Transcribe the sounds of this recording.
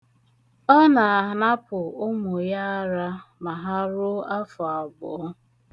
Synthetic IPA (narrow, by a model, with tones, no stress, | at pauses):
ɔ˦na˨a˨ɦna˦pʊ˨ʊ˦mʊ˨ja˦a˦ɾa˦ma˨ɦa˦ɾʊ˦a˦fɔ˨a˨bʊ̰˨˦